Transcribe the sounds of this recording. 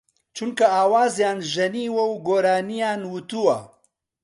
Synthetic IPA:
t͡ʃunkaaːwaːzjaːnʒɐniwawɡoɾaːnijaːnwut̪uwa

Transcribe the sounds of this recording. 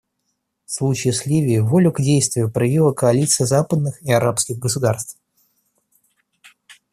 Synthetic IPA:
slˠut͡ɕɪːsʲlʲivʲɪɪvolʲʊɡdʲejst̪vʲɪjʊpɾɐvʲilˠəkəɐlʲit̪sɨjəzapəd̪̚nɨxiɐɾapskʲɪɣɡəsʊd̪arst̪f

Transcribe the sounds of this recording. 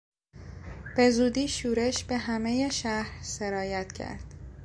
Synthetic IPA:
b̥e̞zuːd̪iːʃuːɾe̞ʃbe̞ɦæme̞je̞ʃæhɾse̞ɾɒːjæt̪cʰæ̰ɾd̪̥

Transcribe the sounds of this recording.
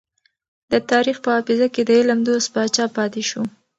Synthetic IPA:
d̪̥ət̪ɑɾixpəɑfɪzaked̪əɪlamd̪ost̪̚bɑt͡ʃɑpɑt̪eʃo

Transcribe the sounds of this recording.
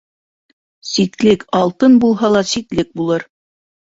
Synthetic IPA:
sik̪lɘkɑlˠt̪ɤnbulˠɦɑlˠɑsik̪lɘk̚bulˠɤɾ

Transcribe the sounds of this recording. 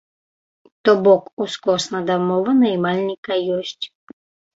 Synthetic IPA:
t̪ɔbɔkuskɔsnɐd̪amɔvənɐjmalʲnʲikajɔsʲtʲ

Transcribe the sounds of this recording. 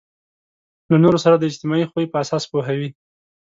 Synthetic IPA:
lanoɾosaɾad̪əɪd͡ʒt̪ɪmɑixwuipəasɑspoɦawi

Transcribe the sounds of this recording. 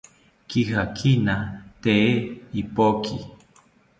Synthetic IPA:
kihakʰinat̪eeipokʰi

